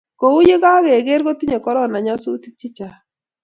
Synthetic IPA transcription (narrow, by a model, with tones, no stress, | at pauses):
ko˨u˦je˦ɡa˦ɣe˨ɡe˦ɾɡo˦t̪i˦ɲe˨kɔ˨˦ɾɔ˦˨na˨ɲa˦su˦ti˦k̚t͡ʃɪ˦t͡ʃa˨